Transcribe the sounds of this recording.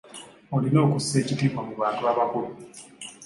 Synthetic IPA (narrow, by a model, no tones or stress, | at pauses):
o̞lino̞ːkusːe̞ːcitiːmamuβaːntuaβakulu